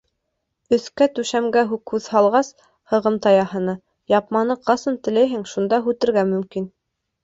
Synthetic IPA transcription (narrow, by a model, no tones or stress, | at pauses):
ɵ̆θkæt̪ʉʃæmɡæɦukhʉðhɑlˠʁɑs | hɤ̆ʁɤmt̪ɑjɑhɤ̆nɤ | jɑpmɑnɤqɑsɤnt̪ɘ̆læjɦɘŋʃund̪ɑɦʉt̪ɘ̆ɾɡæmɵ̆mkin